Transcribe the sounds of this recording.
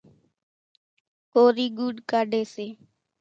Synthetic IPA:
koːɾiːɡuːɖkaːɖeːseː

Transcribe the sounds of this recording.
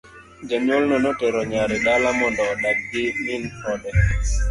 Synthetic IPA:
d͡ʒaɲɔlnɔnɔtɛɾɔɲaɾɛɗalamɔndɔːɗaɡ̚ɡiminhɔɗɛ

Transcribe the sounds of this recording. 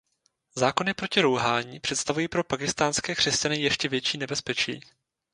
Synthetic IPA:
zaːko̞nɪpɾo̞cɪɾowɦaːɲipr̥ɛt̪st̪avujiːpɾo̞pakɪst̪aːnskɛːkr̥ɛscanɪjɛʃcɛvjɛt͡ʃiːnɛbɛspɛt͡ʃḭː

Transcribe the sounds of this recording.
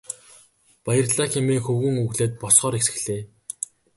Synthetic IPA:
pajə̆rɮaːxɪmiːŋxɵwɣɵ̆ŋuɣɮeːt̪̚pɔsχɔːɾesɘ̥̆xɮeː

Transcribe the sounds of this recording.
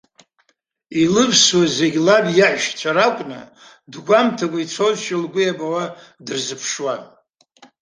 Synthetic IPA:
ilɨpʰswazeɡʲlabjaʕʒt͡ʃʷʰaɾakʷʼnɨ̰ | dɡʷamtʰakʷʼait͡sʷʰozʃɪlɡʷʊjabʼawa | dɨrzɨpʰʂwan

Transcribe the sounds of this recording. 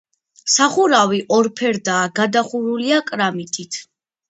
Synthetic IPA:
saχuɾawiʔɔɾpʰɛɾd̪aːɡad̪aχuɾuliakʼɾamit̪ʼit̪ʰ

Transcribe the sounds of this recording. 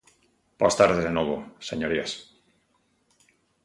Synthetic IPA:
b̥oast̪aɾðeðenoβosḛɲoɾias

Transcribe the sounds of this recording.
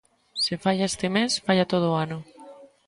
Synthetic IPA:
sefaʎaest̪emesfaʎat̪oð̞oːanʊ

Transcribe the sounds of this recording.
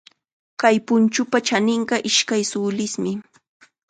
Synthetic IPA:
kajpʊnt͡ʃʊpat͡ʃanɪɴɢɑʔɪʃkajsʊːlɪsmɪ

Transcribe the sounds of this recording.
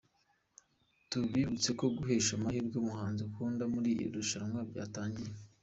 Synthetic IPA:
tubɡiːβut͡se̞ko̞ɡuɦe̞ːʃamahiɾɡomuhaːnzeukuːndamuɾiːjḭɾuʃaɾamwabɟa̰ːtaːɲɟiɾe

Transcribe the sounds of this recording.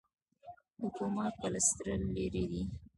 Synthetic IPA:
hʊkumat̪̚pələst̪ɾəlːeɾed̪i

